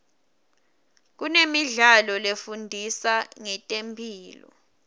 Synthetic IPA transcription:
k̬unemiɮalɔlefundʱisaŋɛtʼempʰiːlɔ̰

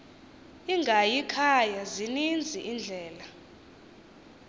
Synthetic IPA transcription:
iŋɡʱajikʰajazinind͡zʱiʔind͡ɮʱɛːla

